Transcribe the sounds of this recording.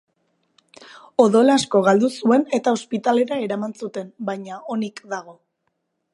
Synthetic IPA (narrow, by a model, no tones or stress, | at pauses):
o̞ðo̞lasko̞ɣ̞ald̪usue̞ne̞t̪ao̞spit̪ale̞ɾae̞ɾamansut̪e̞nbajɲao̞nikd̪aɣ̞o̞